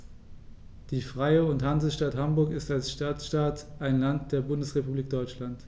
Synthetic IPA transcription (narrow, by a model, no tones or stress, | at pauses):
d̥iːfʁ̥aɪəʊnthanzl̩ʃtathambʊɐkɪstalsʃtaːt͡sʃtaːtʔaɪnlant̚d̥eːɐbʊndəsʁepubliːk̚d̥ɔʏt͡ʃlant